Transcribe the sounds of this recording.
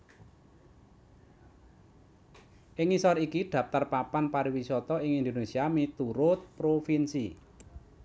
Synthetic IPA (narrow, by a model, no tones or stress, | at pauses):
ʔɪŋisɔrikiɖ̪̥ä̤ft̪arpapanpaɾiwisɔt̪ɔɪŋind̪onesiamit̪uɾʊt̪̚pɾofinsi